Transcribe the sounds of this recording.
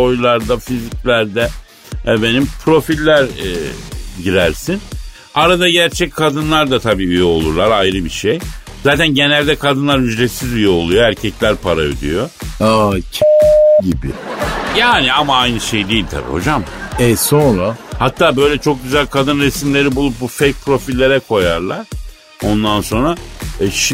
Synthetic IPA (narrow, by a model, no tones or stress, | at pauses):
o̞jlˠaɾd̪afizic̚lʲæɾd̪ɛ | ɛbenimpʰɾo̞filʲːæɾ | ɟiɾæɾsin | aɾad̪aɟæɾt͡ʃʰɛc̚kʰad̪ɯnlˠaɾd̪at̪ʰabiːyjɛo̞lˠuɾlˠaɾajɾɯbiʃej | zaːt̪ʰænɟe̞nælʲd̪ɛkʰad̪ɯnlˠaɾhyd͡ʒɾet̪sizyjɛo̞lˠujoæɾcʰɛclʲæɾpʰaɾaø̰d̪y̰joacʰɟibɪ̰jaːniamaajnɯʃe̞jd̪ejilʲt̪ʰa̰bḭho̞d͡ʒamɛsonɾahat̪ʰːaːbø̞jlʲɛt͡ʃʰo̞k̚ɟyzælʲkʰad̪ɯnɾesimlʲe̞ɾibulˠup̚bufejk̚pʰɾo̞filʲːe̞ɾɛkʰo̞jaɾlˠaɾ̥ | o̞nd̪anso̞nɾaʃ